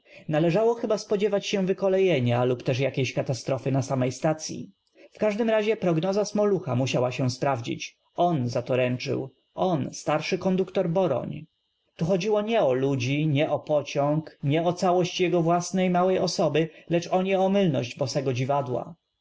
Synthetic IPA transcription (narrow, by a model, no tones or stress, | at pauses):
nalɛʐawɔxɘbaspɔd͡ʑɛvat͡ɕɕɛ̃vɘkɔlɛjɛɲalupt̪ɛʂjakʲeɕkat̪ast̪ɾɔfɘnasamɛjst̪at̪sʲjḭ | fkaʐd̪ɘmɾaʑɛpɾɔɡnɔzasmɔluxamuɕawaɕɛ̃spɾavd͡ʑḭt͡ɕ | ɔnzat̪ɔɾɛnt͡ʂɘ̰w | ʔɔnst̪aɾʂɘkɔnd̪ukt̪ɔɾbɔɾɔ̰ɲ | t̪uxɔd͡ʑiwɔɲɛɔlud͡ʑiɲɛʔɔpɔt͡ɕɔŋkɲɛɔt̪sawɔɕt͡ɕjɛɡɔvwasnɛjmawɛjɔsɔbɘlɛt͡ʂɔɲɛɔmɘlnɔ̰ʑd͡ʑbɔsɛɡɔd͡ʑivad̪wa̰